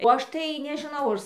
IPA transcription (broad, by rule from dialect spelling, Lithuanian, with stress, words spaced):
oː ˈɐʃ tɐɪ nʲɛʒɨˈnɐʊ ɐr